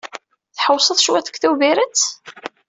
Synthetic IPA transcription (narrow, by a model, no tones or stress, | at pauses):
θħəwsˤəðˤʃwæθə̥kθuviɾət͡s